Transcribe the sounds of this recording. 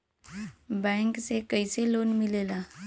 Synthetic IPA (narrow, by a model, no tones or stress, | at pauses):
bə̃ŋksekəjselonmilela